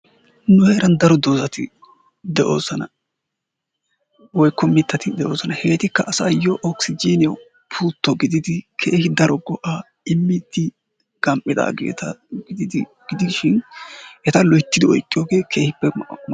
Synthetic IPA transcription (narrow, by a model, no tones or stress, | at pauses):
nʊheːɾɐnd̪ɐɾɔd̪oːzɐt̪ɪ̰ | d̪ɛʔo̞̰ːzɐnɐ | wɔjkːɔmɪt̪ːɐt̪ɪd̪ɛʔo̞ːzɐnɐhe̞ːt̪ɪkːɐʔːsaːjɔʔɔksɪd͡ʒiːnɪjɐw | pʰuːt̪ːɔɡɪd̪ɪd̪ɪkʰe̞ːhɪd̪ɐɾɔɡɔʔa | ɪmːɪd̪ɪ | ɡ̥ɐmpʼːɪd̪a̰ːɡe̞̰ːt̪ɐɡɪd̪ɪd̪ɪ | ɡ̥ɪd̪ɪʃɪnʔɛt̪ɐlɔjt̪ːɪd̪ɪɔ̰jkʼːɪjoːɡe̞ːkʰe̞ːhɪpːɛ